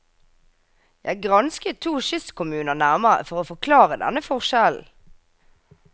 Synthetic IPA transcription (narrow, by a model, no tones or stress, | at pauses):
jæɪɡʁɑnskət̪ʰuːʃʏskʰʊmʉːnəʁnæʁməʁə̰fɔʁoːfɔkʰlɑːʁəd̪ɛ̰nəfɔʁʃɛln̩